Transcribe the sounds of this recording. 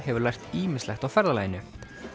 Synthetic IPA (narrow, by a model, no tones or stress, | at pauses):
hɛvʏɾlajr̥t̪iːmɪ̥slɛxt̪awfɛɾðalaːjɪnʏht̪